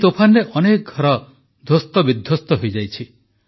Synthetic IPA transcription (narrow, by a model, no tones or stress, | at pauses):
t̪opʰanɾeʔɔnek̚ɡʱɔɾɔ | d̪ʱost̪ɔbid̪ʱjost̪ɔɦojd͡ʒajt͡ʃʰi